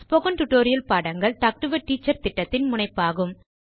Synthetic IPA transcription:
spɔɣɐnʈʊʈːoːɾɪjɐlpaːɽɐŋɡɐɭʈak̚ʈɯʋɐʈːiːt͡ʃːɐɾt̪ɪʈːɐt̪ːɪnmʊnɐɪpːaːɣɯm

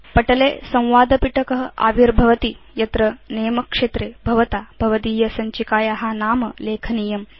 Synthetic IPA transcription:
pɐʈɐleːsɐ̃w̃ʋaːd̪ɐpiʈɐkɐɦɐʔa̰ːʋiɾbʱɐʋɐt̪i | jɐt̪ɾɐneːmɐkʂeːt̪ɾeːbʱɐʋɐt̪aːbʱɐʋɐt̪iːjɐsɐɲt͡ʃikaːjaɦanaːmɐleːkʰɐniːjɐm

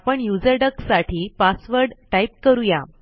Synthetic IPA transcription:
pəɳjud͡zəɾɖəksaʈʰiːpasʋəɾɖʈajp̚kəɾuja

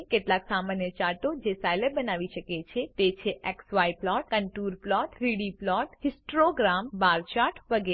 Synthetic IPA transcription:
keʈlaksamanjət͡ʃaɾʈod͡ʒesajləɾbənaʋiʃəket͡ʃʰet̪et͡ʃʰeʔɛksʋaiplɔʈ̚kəɳʈuɾplɔʈɾiɽiplɔʈhɪsʈʈɾoɡɾambaɾt͡ʃaʈʋəɡe

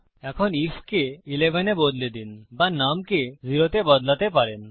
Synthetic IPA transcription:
ɛkʰɔniskeilebʱɛnebod̪led̪inbanamkeziɾot̪ebɔd̪lat̪epaɾen

